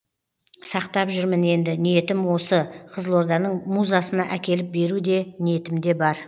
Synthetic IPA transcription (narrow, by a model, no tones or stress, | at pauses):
sɑqt̪ɑpʒʏɾmɪne̞nd̪ɪnije̞t̪ɪmwo̞səqʰəzəlˠo̞ɾd̪ɑnəɴmuzɑsənɑʔækʲe̞lɪp̚be̞ɾud̪e̞nije̞t̪ɪmd̪e̞bɑɾ